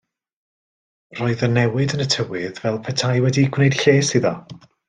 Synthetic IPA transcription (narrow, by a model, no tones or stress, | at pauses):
r̥oːɨðənɛwɪdənətʰəwɪðvɛlˠpʰɛtʰajwɛdiɡ̥wnejd̥ɬeːsiðɔ